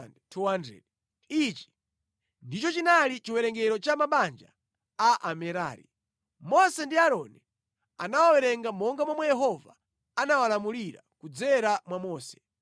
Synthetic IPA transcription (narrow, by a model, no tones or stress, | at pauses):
ndɛtʰuandɾɛ̰l | it͡ʃi̥ | ndit͡ʃɔt͡ʃinalit͡ʃiwɛɾɛŋɡɛɾɔt͡ʃamaɓand͡ʒa̰ | aʔamɛɾa̰ːɾḭ | mɔsɛndiaɾɔni | anawawɛɾɛŋɡamɔŋɡamamwɛjɛɦɔva̰ | anawalamuliɾa̰kud͡zɛɾamwamɔːsɛ̥